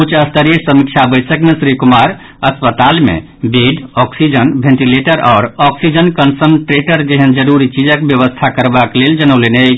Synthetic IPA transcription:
kut͡ʃʰəst̪ʰəɾijəsəmik̚t͡ʃʰabət̪səknesɾikumaɾ | əspət̪almḛ | beɖɔksid͡ʒənbʱẽɳʈileʈəɾɔ̰ːɾɔksid͡ʒənkənsənʈɾeʈəɾd͡ʒeɦənd͡ʒəɾuɾit͡ʃid͡ʒəkbjəβəst̪ʰakəɾbakleld͡ʒənəʊlene

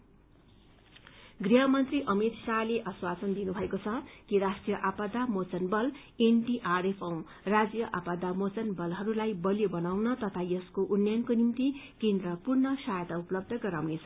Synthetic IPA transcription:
ɡriɦʌmʌnt̪riʔʌmit̪saleʔʌswat͡sʌnd̪inubʱʌekot͡sʰʌkiɾaʂʈrijʌʔapad̪amot͡sʌnbʌl | enʈiʔarepʰʌ̃w̃ | rad͡zjʌʔapad̪amot͡sʌnbʌlɦʌɾulajbʌljobʌnawnʌt̪ʌt̪ʰajʌskoʔunjankonimt̪ikend̪rʌpurnʌsajt̪auplʌb̚d̪ʱʌɡʌɾawnet͡sʰʌ̥

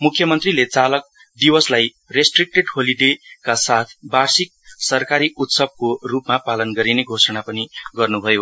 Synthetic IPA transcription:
mukʰːjʌmʌnt̪rilet͡salʌk̚ | d̪iwʌslaj | resʈrik̚ʈeʈholiɖekasat̪ʰbarsik̚sʌrkaɾiʔut̪sʌb̚korupmapalʌnɡʌɾineɡʱosʌɽ̃apʌniɡʌrnubʱʌjo

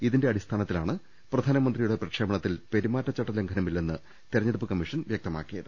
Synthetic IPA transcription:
iðinde̞ɐɽist̪ʰaːnɐt̪ːilaːɳɨ | prɐd̪ʱaːnɐmɐnd̪rijuɽe̞prɐkʂeːmɐɳɐt̪ːilpe̞ɾimaːtːɐt͡ɕːɐʈːɐleŋɡʱɐnɐmilːenːɨ | t̪iɾɐɲːɐɽɐpːɨkɐmːiʂɐnʋjɐk̚t̪ɐma̰ːkːijɐðɨ

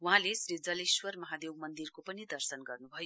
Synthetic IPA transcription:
wɦãlesrid͡zʌleswʌrmʌɦad̪ewmʌnd̪irkopʌnid̪ʌrsʌnɡʌrnubʱʌjo

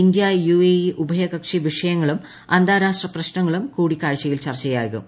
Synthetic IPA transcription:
ind̪jɐjueiʔubʱɐjɐkɐkʂiʋiʂɐjɐŋːɐɭum | ɐnd̪aːɾaːʂrɐprɐɕnɐŋːɐɭumkuːɽikːaːɻt͡ɕːɐjilt͡ɕɐrt͡ɕːɐja̰ːɣṵ

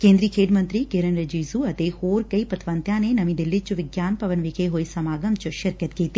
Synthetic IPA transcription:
keːnd̪ɾiːkʰeːʈmɐnt̪ɾiːkeɾɐnɾɐd͡ʒiːzuɐt̪eːhoːɾkɐipɐt̪ʰʋɐnt̪jaːneːnɐmid̪ilːit̪̚t͡ʃuʋɪɡjaːnpɐʋɐnʋikʰeːɦoːjsɐmaːɡɐmt͡ʃuʃɐɾkjɐt̪keːt̪i

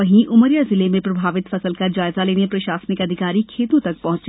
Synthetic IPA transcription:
ɐɦĩʔʊməɾjazɪlemẽpɾɐbʱaːʋɪt̪fɐsəlkad͡ʒaːɪzaleːnepɾɐʃaːsnɪkɐd̪ʱɪkaːɾikʰeːt̪õt̪ɐk̚pɐɦʊ̃t͡ʃ

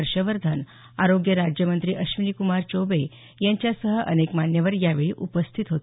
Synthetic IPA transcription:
əɾɕəʋəɾd̪ʱan | aɾoɡjəɾad͡ʑjəmənt̪ɾiːʔəɕʋinikumaɾt͡ɕobe | jaɲt͡ɕjasəɦəʔənekmanjəʋəɾjaʋeɭḭːʔupəst̪ʰit̪ɦot̪

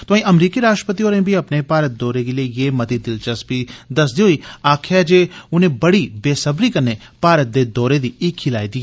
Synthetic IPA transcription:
t̪oãĩːʔəmɾiːkiɾaːʃʈɾəpət̪ioːɾẽːbʱiɐpnepaːɾət̪̚d̪ɔːɾeɡeliejeːmɐt̪id̪ɪlt͡ʃəsbid̪ɐsd̪iːɦoiːaːkʰɛd͡ʒeːʊnẽːbəɽibeːsəbɾiːkəɾnepaːɾət̪̚d̪eːd̪ɔːɾed̪iːɪkʰːilaːid̪iː

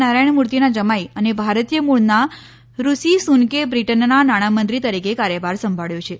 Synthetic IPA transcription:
naɾajɳ̃muɾt̪inad͡ʒəmajənebʱaɾət̪ijəmuɭna | ɾusisunkebɾiʈənːanaɽ̃amənt̪ɾit̪əɾikekaɾjəbaɾsəmbʱaɭjõt͡ʃʰe

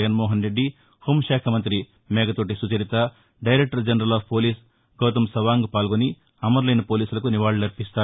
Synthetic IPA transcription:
ɐɡɐnmɔːɦɐnɾe̞ɖːi | huːmɐʃaːkʰɐmɐnt̪ɾi | mɛːɡɐt̪oːʈ̬isut͡ʃɐɾit̪ɐ | ɖɐjɾek̚ʈɐɾd͡ʒɐnɐɾɐlaːppo̞ːliːs | ɡɐːt̪ɐmsɐʋaːŋɡupaːlɡoni | ɐmɐɾlɐjnɐpoːliːsulɐkuniʋaːɭunɐɾpist̪aː

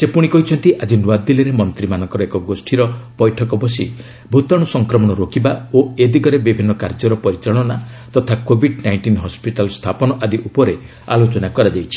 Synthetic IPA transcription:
sepuɽ̃ikɔɦit͡ʃʰɔnt̪iʔad͡ʒinwad̪iliɾemɔnt̪ɾimanɔŋkɔɾɔekɔɡosʈʰiɾɔpɔjʈʰɔkɔbɔsḭ | bʱut̪aɽ̃ɔsɔŋkɾɔmɔɽ̃ɔɾokʰibaoed̪iɡɔɾebibʱinːɔkaɾd͡ʒɔɾɔpɔɾit͡ʃaɭ̃ɔna | t̪ɔt̪ʰakobʱiɖnajɳʈinɦɔspiʈalst̪ʰapɔnɔʔad̪iʔupɔɾe | a̰lot͡ʃɔnakɔɾad͡ʒajt͡ʃʰi̥

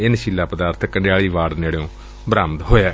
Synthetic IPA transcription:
ɪnʃiːlːaːpəd̪aːɾt̪ʰəkːəɳɖɪjaːɭiːʋaːɽneːɽeõː | bɾaːmt̪ɦoːjaː

